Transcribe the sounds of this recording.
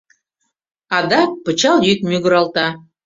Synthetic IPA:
ɑd̪ɑk̚pə̆t͡ɕɑlˠjyk̚myɡə̆ɾɑlˠt̪ɑ

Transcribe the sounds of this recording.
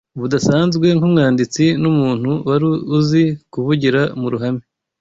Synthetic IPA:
βudasaːnzɡwe̞ŋhumŋaːndit͡sinumuːn̥huwaɾiuzikuβuɟiɾamuɾuɦame

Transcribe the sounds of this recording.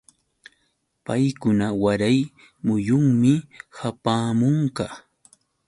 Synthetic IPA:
pajkʊnawaɾaj | mʊjʊŋmɪhapaːmʊŋka

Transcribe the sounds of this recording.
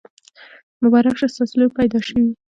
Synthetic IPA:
mʊbɑɾakʃesɑsəljopajd̪ɑʃəwi

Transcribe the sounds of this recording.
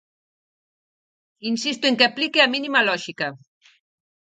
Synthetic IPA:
insist̪ueŋkeaplikeaminimalɔʒika

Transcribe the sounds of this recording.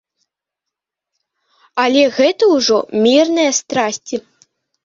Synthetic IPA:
ɐlʲɛɣɛt̪ɐwuʐɔmʲirnɐjɐst̪ɾasʲt͡sʲi

